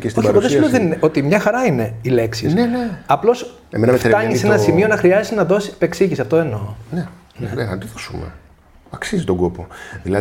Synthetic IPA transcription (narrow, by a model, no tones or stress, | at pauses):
kest̪obeɾpoðsðesleðenineo̞t̪imɲɐxɐɾɐine̞ile̞ksisneneɐplo̞s | emenɐmefet̪ɐɲisenɐsimionɐxɾiɐziznɐðo̞si̥pe̞ksiʝisɐft̪oeno̞ne | nenenɐt̪oðosumḛ | ɐksizit̪oŋɡo̞po̞ðilɐ